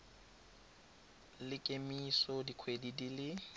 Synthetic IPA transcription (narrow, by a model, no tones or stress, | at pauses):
lɪkʼemisɔdikʰwedidilɪ